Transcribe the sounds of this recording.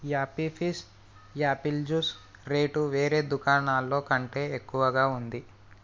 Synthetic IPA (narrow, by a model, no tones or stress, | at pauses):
jaːpipʰis | jaːpild͡ʒuːs | ɾe̞ːʈuʋe̞ːɾe̞ːd̪ukaːɳaːlːo̞ːkɐɳʈe̞ːekːuʋɐɡaːund̪i